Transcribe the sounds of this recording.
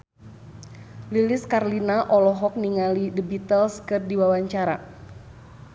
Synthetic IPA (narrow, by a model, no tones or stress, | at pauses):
lilɪskarlinaʔɔlɔɦɔk̚niŋalidəbit̪əlskɨrdiwawaɲt͡ʃaɾa